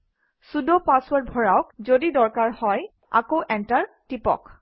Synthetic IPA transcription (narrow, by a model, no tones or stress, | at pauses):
sudopaswaɹt̚bʱɔɹawkzodidɔɹkaɹhɔj | a̰kowʔɛntaɹtipɔ̰k